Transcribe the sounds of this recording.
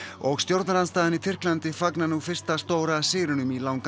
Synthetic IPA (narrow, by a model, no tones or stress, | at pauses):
ɔɣst̪jowɾt̪naɾanst̪aːðɪnit̪ʰɪr̥klant̪ɪfaknanufɪr̥st̪ast̪oːwɾasɪːɾɪnʏmilaːwŋka